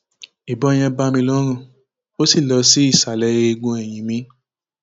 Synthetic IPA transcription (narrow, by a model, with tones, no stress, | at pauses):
i˨bɔ˨˧ɛ˧j̃ɛ̃˧ba˦mĩ˧lɔ˦ɾ̃ũ˦˨ | o˦si˦˨lɔ˧si˦i˦˨sa˨lɛ˨˦e˧i˧ɡũ˧ɛ˨j̃ĩ˨mĩ˨˦